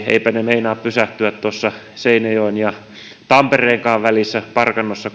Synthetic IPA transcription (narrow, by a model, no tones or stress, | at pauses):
ḛipænemeinɑːppysæht̪yæt̪t̪uosːɑ | seinɑjoinjɑ | t̪ɑmpereːŋkɑːʋʋælisːæpɑrkɑnːosːɑ